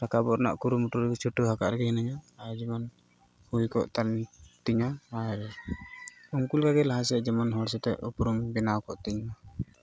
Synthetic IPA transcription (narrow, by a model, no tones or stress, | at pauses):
ɾakabɔɾana̰ʔkuɾumuʈuɾɛt͡ʃʰuʈːuɦaka̰ʔɾɛɡɛhɛnaɲaːɾd͡ʒɛmɔn | hujkɔ̰ʔt̪aɾnt̪iɲaːɾ | uŋkulɡaɡɛlaɦasɛd͡ʒɛmɔnɦɔɽsɛt̪ɛ̰ʔupɾumbɛnawkɔʔt̪iɲma